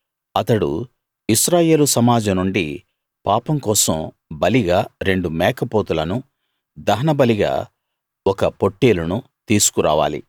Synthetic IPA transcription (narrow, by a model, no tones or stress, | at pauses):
ɐt̪ɐɽṵ | iʃɾaːje̞ːlusɐmaːd͡ʒɐnuɳɖi | paːpɐmkɔːsɐm | bɐliɡaːɾe̞ɳɖumɛːkɐpoːt̪ulɐnu | d̪ɐɦɐnɐbɐliɡa̰ː | ɔkɐpo̞ʈːeːlunu | t̪iːsu̥kuɾa̰ːʋa̰ːlḭ